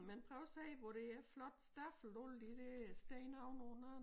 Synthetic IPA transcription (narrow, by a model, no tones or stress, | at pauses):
menpʰʁœʊsɛːʋɒɾ̥e̝æɐflɒ̽d̥sd̥ɑfl̩old̥id̥esd̥eɪnɑʊnɔnɐ